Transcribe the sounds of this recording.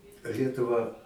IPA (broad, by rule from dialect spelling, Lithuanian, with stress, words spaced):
ˈlʲiɛtʊʋɐ